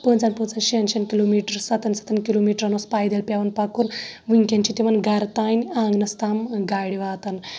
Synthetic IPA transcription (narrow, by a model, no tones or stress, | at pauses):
pəːnt͡sanpət͡sanʃiɐnʃɐnkiloːmiːʈɐɾsɐt̪ɐnsɐ̥t̪ʰɐnkiloːmiːʈɾɐnospaːjd̪ɐlpʲjaʋɐnpakunʋiŋkʲɐnt͡ʃit̪iʋɐnɡɐɾt̪aːnʲãːŋɡnɐst̪aːmɡaːɽiʋaːt̪ɐn